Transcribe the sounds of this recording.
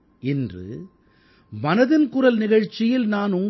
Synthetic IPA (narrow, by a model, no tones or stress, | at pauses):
ɪndrɯ̰ | mɐnɐðɪnkʊrɐlnɪɣɐɻt͡ʃːɪjɪlnaːnʊm